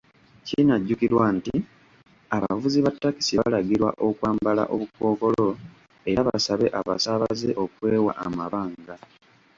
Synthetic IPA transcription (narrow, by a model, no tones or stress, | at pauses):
ciinaɟːukiɾwanti | aβa̰vuziβatːaki̥siβalaɡiɾwa̰ʔo̞kwaːmbala̰ʔo̞̰βuko̞ːko̞lo̞ | e̞ɾaβa̰saβe̞ʔaβa̰saβazeʔo̞kwe̞ːwa̰ʔamaβaːŋɡa